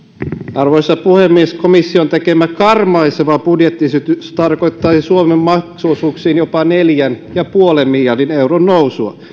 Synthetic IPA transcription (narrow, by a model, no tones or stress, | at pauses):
ʔɑrʋojsːɑpuhemːieskomisːiont̪ekemækɑrmɑiseʋɑbudjet̪ːisyt̪yst̪ɑrkojt̪ːɑsisuomemːɑksusuːksiːnjopɑneljænjɑpuolemːiljɑrdinewronːowsuɑ̰